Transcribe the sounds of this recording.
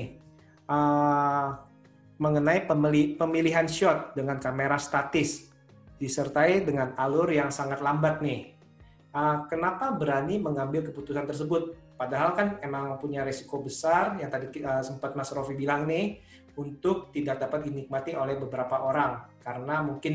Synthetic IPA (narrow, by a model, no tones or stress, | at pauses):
ʔə | məŋənaiəmlipəmiliɦanʃɔt̪̚dəŋankameɾast̪at̪ɪs | disərt̪aidəŋanalʊrjaŋsaŋat̪lambat̪̚nɪh | ʔəkənapabəɾaniməŋambɪlkəput̪usant̪ərsəbʊt̪̚ | padaɦalkanemaŋpuɲaɾesi̥kobəsarjaŋt̪adiəsəmpat̪̚masɾofibilaŋnɪh | unt̪ʊk̚t̪idak̚dapat̪̚dinik̚mat̪iolɛhbəbəɾapaʔoɾaŋkaɾənamuŋkɪn